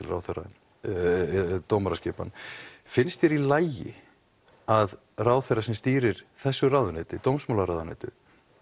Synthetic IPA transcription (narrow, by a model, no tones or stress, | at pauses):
ɪlra̰ːwθɛra̰n | t̪oːwmaɾascɛːpa̰nfɪnst̪ɪɾilaːjjɪ̰ | að | raːwθɛrːasɛmst̪iːɾɪɾ̥θɛsːʏraːwðʏnɛːt̪ʏt̪owmsmoːwlaɾaːwðanɛ̰ːt̪ʏ̰